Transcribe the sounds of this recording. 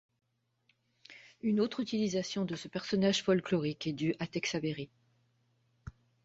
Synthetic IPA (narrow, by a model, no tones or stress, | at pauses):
ynot̪χyt̪ilizasjɔ̃d̪əsəpɛʁsɔnaʒfɔlklɔʁikɛd̪yʔat̪ɛksabeʁi